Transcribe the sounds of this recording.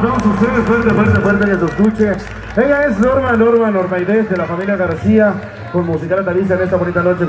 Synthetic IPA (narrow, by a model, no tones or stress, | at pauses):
t̪amosost̪eðefweɾt̪efweɾt̪efweɾt̪ejesosd̪ut͡ʃe | beŋɡaesnoɾmanoɾmanoɾmajðesðelafamiljaɣaɾsia | konmus̬ikalat̪aβis̬aene̞st̪aβo̞nit̪ano̞t͡ʃe